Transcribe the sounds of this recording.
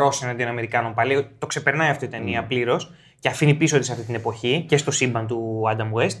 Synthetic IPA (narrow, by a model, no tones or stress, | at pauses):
o̞senɐnd̪ionɐme̞ɾikɐno̞mpɐliot̪o̞kse̞pe̞ɾnɐiɐft̪oit̪e̞niɐpliɾo̞s | ce̞ɐfinipisot̪d̪esɐft̪it̪inepo̞çice̞st̪o̞sibɐnt̪uɐd̪ɐmwest̪